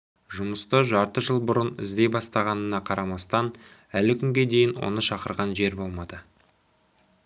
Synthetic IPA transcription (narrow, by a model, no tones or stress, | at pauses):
ʒʊməst̪əʒɑɾt̪əʒəlˠbʊɾənɪ̰zd̪e̞jbɑst̪ɑʁɑnənɑqʰɑɾɑmɑst̪ɑnælɪkʲʰʏŋɡʲe̞d̪e̞jɪnwo̰nəʃɑqəɾʁɑnʒe̞ɾbo̞lˠmɑd̪ə